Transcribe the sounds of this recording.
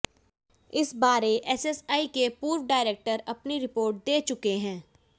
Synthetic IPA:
ɪsbaːɾeʔɛsɛsaːikepuːɾʋɖaːɪɾeːk̚ʈəɾɐpniɾɪpoːɾʈ̚d̪eːt͡ʃʊkeɦɛ̃ː

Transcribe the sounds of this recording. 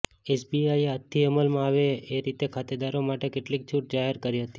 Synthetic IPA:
esbiajeat̪ʰːiəməlmãaʋeeɾit̪ekʰat̪ed̪aɾomaʈekeʈlik̚t͡ʃʰuʈ̚d͡ʒaɦeɾkəɾiɦət̪i̥

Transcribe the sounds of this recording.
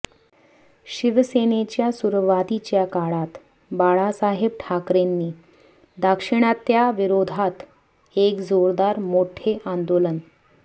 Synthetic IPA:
ɕiʋsenet͡ɕjasuɾʋat̪it͡ɕjakaɭat̪ | baɭasaɦeb̚ʈʰakɾenːiː | d̪akʂiɽ̃at̪jaʋiɾod̪ʱat̪ | ekd͡zoɾd̪aɾmoʈʰeʔãnd̪olən

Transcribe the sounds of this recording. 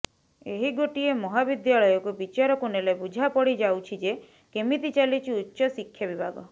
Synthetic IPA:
eɦiɡoʈiemɔɦabid̪jaɭɔjɔkubit͡ʃaɾɔkunelebud͡ʒʱapɔɽid͡ʒawt͡ʃʰid͡ʒe | kemit̪it͡ʃalit͡ʃʰiutːʃɔsikʰːjabibʱaɡɔ

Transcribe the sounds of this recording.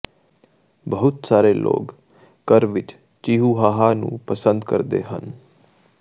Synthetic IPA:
bəɦʊt̪saːɾeːlʔo̰ːk | kəɾʋɪt͡ʃ | t͡ʃiːɦuːɦaːɦaːnṵ̃ːpəsə̃nd̪kə̰ɾd̪ḛːɦə̰n

